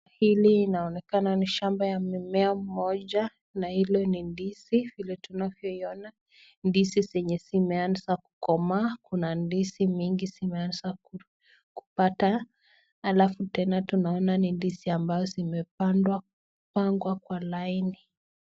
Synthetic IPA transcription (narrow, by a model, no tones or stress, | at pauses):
hiliːnaɔnɛkananiʃambajamimɛam̩mɔʄa | nahilɔnindisivilɛtunavjɔiɔna | ndisizɛɲɛsimɛansaku̥kɔmaːkunandisimiŋɡisimɛansa | ku̥pata | halafutɛnatunaɔnanindisiambazɔzimɛpandwa | upaŋɡwakwalaini